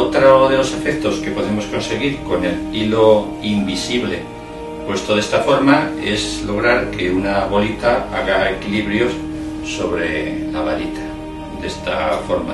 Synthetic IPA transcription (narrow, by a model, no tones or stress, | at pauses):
ot̪ɾoðe̞lo̞se̞fek̚t̪o̞ske̞po̞ðe̞mo̞sko̞nse̞ɣ̞iɾko̞ne̞lilo | imbisiβle̞̰ | pwe̞st̪oð̞e̞st̪afo̞ɾmae̞zlo̞ɣ̞ɾaɾke̞unaβo̞lit̪aa̰ɣaekiliβɾjo̞s | so̞βɾe̞̰laβalit̪ʰḁ | d̪e̞st̪afo̞ɾma̰